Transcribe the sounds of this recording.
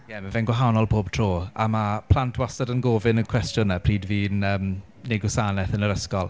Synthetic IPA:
jɛmavɛnɡwaɦawnɔlˠpʰoːb̥̚tʰr̥oːa̰mapʰl̥antʰwasadənɡoːvɪnənkʰw̥ɛstjʊnəpʰriːdviːnəːm | neɡʊsaːnɛθənəɾəskɔlˠ

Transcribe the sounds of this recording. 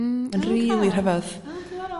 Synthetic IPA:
ənriːlˠirɦɛvɔð

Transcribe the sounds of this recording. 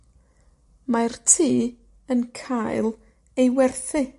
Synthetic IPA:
martʰiː | ənkʰajlˠ | ejwɛrθɪ

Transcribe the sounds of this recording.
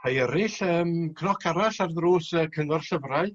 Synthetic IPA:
hʰajɛɾɪɬəːmkʰnɔkʰaɾaɬarðruːsəːkʰəŋɔrɬəvraɨ

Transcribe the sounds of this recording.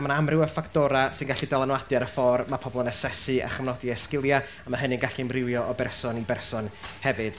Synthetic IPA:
manaamrɪwəfakʰtɔɾasɨnɡaɬidɛlˠanwadjaɾəfɔrmapʰɔbɔlˠnɛsɛsɨʔa̰χəmnɔdiɛskɪlˠja | amaɦəninɡaɬimrɪwjɔʔɔbɛrsɔnibɛrsɔnhɛvɨd̥

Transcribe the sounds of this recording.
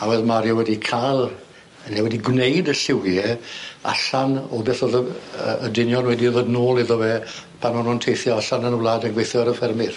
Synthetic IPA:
awɛðmaɾjɔwɛdikʰalˠ | ənɛwɛdiɡwnejdəɬɪwjɛa̰ɬanɔbɛθoðəədɪnjɔnwɛdiðoːdnoːlˠɪðɔvɛː | pʰanɔnʊntʰejθjɔaɬanənəwlˠaːdənɡwejθjɔɾəfɛrmɪð̥

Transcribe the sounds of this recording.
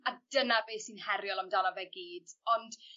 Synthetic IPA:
ad̥ənabeːsinhɛɾjɔlˠamdɔnavɛɡiːd̥ɔnd̥

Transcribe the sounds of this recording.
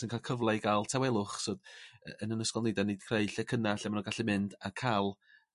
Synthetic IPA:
ənkʰalˠkʰəvlˠajɡalˠtʰɛwɛlˠʊχsodəənənəskɔlˠnejdanid̥kʰrejɬɛkʰənaɬɛmanɔɡaɬɛmɪndakʰalˠ

